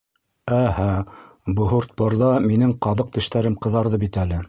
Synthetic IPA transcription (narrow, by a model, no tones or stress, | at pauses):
æhæ | bŏɦŏɾt̪̚pŏɾðɑminɘŋqɑðɤq̚t̪ɘ̆ʃt̪æɾɘmqɤ̆ðɑɾðɤbit̪ælɘ